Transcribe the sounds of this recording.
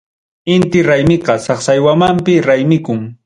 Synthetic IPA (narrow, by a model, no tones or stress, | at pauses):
ɪnt̪ɪɾajmɪqɑsɑχsajwamampɪɾajmɪkʊŋ